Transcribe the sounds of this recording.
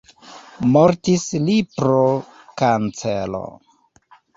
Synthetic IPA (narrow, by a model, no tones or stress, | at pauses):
moɾtislipɾo | kant͡selo̰